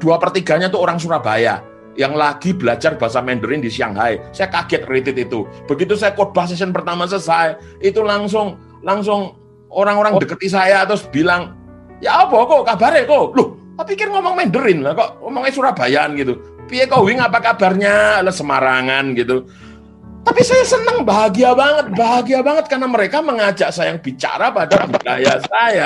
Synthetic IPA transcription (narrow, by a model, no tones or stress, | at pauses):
d̥uapərt̪iɡa̤ɲat̪uoɾaŋs̬uɾab̥aja̰ | jaŋlaɡ̥ib̥əlad͡ʒarbaɦasamɛndəɾɪndisia̰ŋɦaesajakaɡ̥ɛt̪̚ret̪ɪt̪it̪ub̥əɡit̪̬usajakob̥ahsɛs̬ənpərt̪amas̬əsae | it̪ulaŋs̬ʊŋ | laŋs̬ʊŋ | oɾaŋoɾaŋdəkət̪is̬ajat̪ʊsb̥ilaŋ | jaʔob̥ɔkɔkabaɾekolʊht̪apikɪrŋɔmɔŋmɛndəɾɪnlahkɔʔŋɔmɔŋasuɾahb̥ajanɡit̪u | piekowɪŋapakab̥a̤rɲalasəmaɾaŋanɡit̪u | t̪apisajasənəŋbaɡiabaŋət̪̚baɡiabaŋət̪̚karnaməɾekaməŋad͡ʒaʔsajaŋb̥it͡ʃa̰ɾapadabuda̰ja̰saja